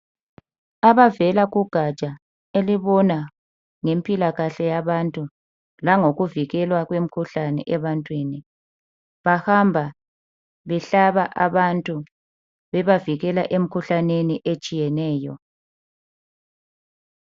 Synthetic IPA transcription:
aβavɛlaɣuɡ̥ʱat͡ʃʼa | eliβɔna | ŋempʼilaɣaɬɛjaβantʼu | laŋoɣuviɣɛlwaɣwem̩kʰuɬanɛ̰ʔɛβantʼwiːni | βahambʱa | βɛɬaβaʔaβantʼu | βɛβaviɣɛlaʔem̩kʰuɬaneniʔet͡ʃʼijɛnɛːjɔ

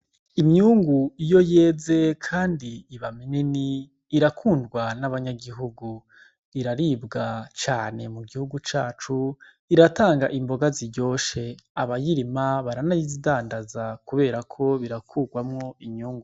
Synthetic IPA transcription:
imɲuːŋɡuijo̞je̞ːze̞kʰaːndiːβameneniː | ɾakʰuːndɡwanaβaɲaɡiɦuɡu | iɾaɾiːbɡat͡ʃaːne̞muɡihuɡut͡ʃaːt͡ʃu | iɾataːŋɡaʔimbo̞ɡaziɟo̞ːʃe̞aβajiɾimaβaɾanajizidaːndazakuβe̞ːɾakʰo̞βiɾakʰuːɡwamŋo̞imɲuːŋɡu

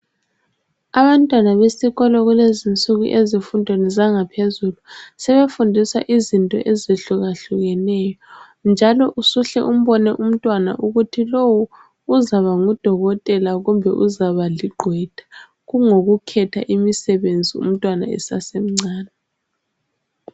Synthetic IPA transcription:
aβantʼwanaβesiɣɔlɔɣulezint͡sʼuɣṵʔezifundʱwenɛzaŋapʰezulusɛβefundʱisa̰ʔizintʼɔ̰ʔezeɬuɣaɬuɣɛnɛːjɔ | nd͡ʒʱalɔʔusuɬɛ̰ʔum̩βɔnɛʔum̩tʼwana̰ʔuɣutʰilowuː | zaβaŋud̥ʱɔɣɔtʼɛlaɣumbʱɛ̰ʔuzaβaliɡ͡ǃʱwɛd̥ʱḁ | ɣuŋoɣukʰɛtʰa̰ʔimisɛβend͡zʱiṵm̩tʼwana̰ɛ̰sasem̩ŋ͡ǀaːna

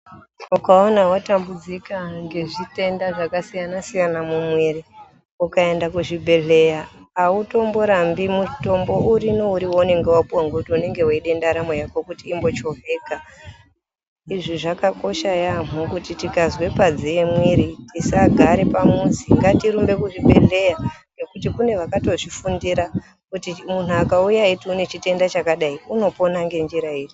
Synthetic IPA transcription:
ukaonawatambud͡zikaŋɡe̞ʐite̞ndaʐakasijanasijanamumwiri | ukae̞ndakuʐibʱe̞ɮe̞jaːuto̞mboɾambimuto̞mbo̞uɾino̞uɾiwone̞ŋɡewapuwaŋɡokutune̞ŋɡe̞waiɗe̞ndaɾamwejako̞kutiːmbo̞t͡ʃo̞ve̞ːka | iʐiʐakako̞ʃajamukutitikazwe̞pad͡ziemwiɾitisaɡʱaɾe̞pamunziŋɡatiɾumbe̞kuʐiɓʱe̞ɮe̞jane̞kutikune̞ʋakato̞ʐifundiɾa | kutimun̤uakaujaitiune̞t͡ʃite̞ndat͡ʃakaɗaiuno̞po̞naŋɡe̞nd͡ʒiɾaiːri

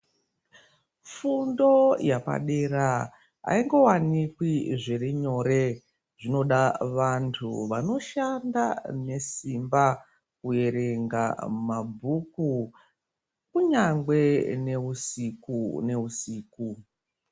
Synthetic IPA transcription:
fundo̞japa̰ɗeɾa | a̰iŋɡo̞wanikwiʐeriɲo̞re | ʐ̥ino̞ɗaʋantʰṵʋano̞ʃandane̞simba | kuje̞ɾe̞ŋɡamabʱuku | kuɲaŋɡwe̞ne̞usikune̞usiːku

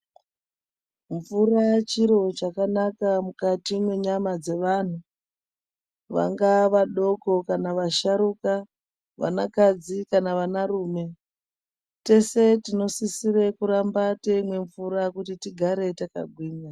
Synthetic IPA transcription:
ɱvurat͡ʃiɾo̞t͡ʃakanakamukatimwe̞ɲamad͡ze̞ʋan̤u | ʋa̰ŋɡaʋaɗo̞ko̞kanaʋaʃaɾuka | ʋa̰nakad͡zikanaʋanaruːme̞ | te̞setino̞sisire̞kuɾambateimwe̞ɱvuɾakutitiɡʱaɾe̞taka̰ɡʱwiːna

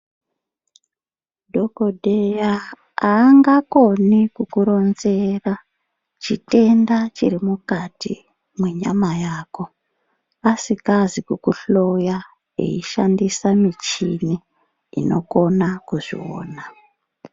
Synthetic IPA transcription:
dʱo̞kodʱeja | aːŋɡako̞nikukuɾo̞nze̞ra | t͡ʃite̞ndat͡ʃirimukatḭ | mweɲa̰majaːko̞ | asikazikukuɬo̞ja | ḛiʃandisamit͡ʃinḭː | no̞̰ko̞nakuʐḭwo̰ːna

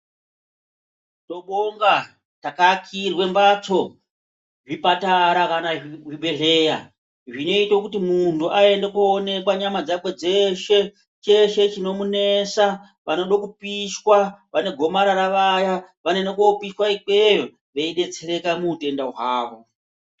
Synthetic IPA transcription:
to̞ɓoŋɡa | takakʰirwe̞mbat͡so̞ | ʐipataɾakanaʐiɓe̞ɮe̞ːja | ʐino̞itokutimuntuʔae̞ndekoːne̞kwaɲamad͡zakwe̞d͡ze̞ʃe̞ | t͡ʃe̞ʃe̞t͡ʃino̞mune̞sa | ʋano̞ɗokupiʃwaʋane̞ɡʱo̞maɾaɾaʋajaʋane̞nekopiʃwaik͡pe | ʋeiɗe̞t͡se̞ɾe̞kamute̞ndaɦwaːʋo̞

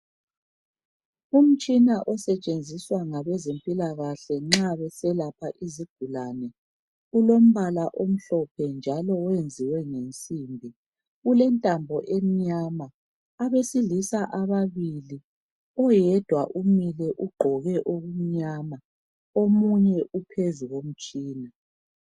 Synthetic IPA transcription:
um̩t͡ʃʼinaʔɔsɛt͡ʃʼend͡zʱiswaŋaβɛzempʼilaɣaɬɛŋ͡ǁaβɛsɛlapʰaʔiziɡ̥ʱulanɛ | ulom̩βalaʔom̩ɬɔpʰɛnd͡ʒʱalɔwend͡zʱiwɛŋent͡sʼimbʱi | ulɛntʼambʱɔʔem̩ɲama | aβesilisaʔaβaβili | ɔjɛd̥ʱwaʔumilɛʔuɡ͡ǃʱɔɣɛʔoɣum̩ɲama | omuɲɛʔupʰezuɣom̩t͡ʃʼiːna

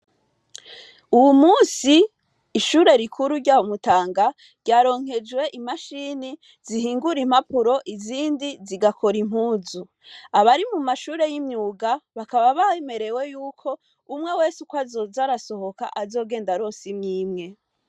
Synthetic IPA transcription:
uwumuːnsiː | ʃuːɾe̞ɾikʰuɾuɾɟaːwomutaːŋɡa | ɾɟaːɾo̞ːŋ̥ɦe̞d͡ʒwe̞ʔimaʃiːni | ziɦiːŋɡuɾim̥apuɾo̞ʔiziːndiziɡako̞ɾim̥huːzu | aβaɾimumaʃuːɾe̞jimɲuːɡaβakaβaβaeme̞ɾe̞we̞juːkʰo̞ | umŋe̞we̞ːsukwazozaɾaso̞ho̞ka̰ʔazo̞ɡe̞ːndaɾoːsimɲiːmŋe̞

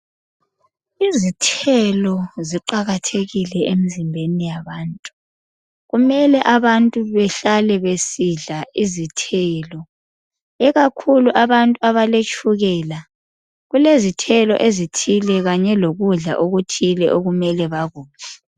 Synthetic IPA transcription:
izitʰɛlɔziǃaɣatʰeɣilɛemizimbʱenijaβaːntʼu | ɣumɛlɛʔaβantʼuβɛɬalɛβesiɮaizitʰɛːlɔ | ɛɣakʰuluʔaβantʼuaβalet͡ʃʼuɣɛla | ɣulezitʰɛlɔ̰ʔezitʰilɛɣaɲɛloɣuɮa̰ʔoɣutʰilɛ̰ʔoɣumɛlɛβaɣuːna

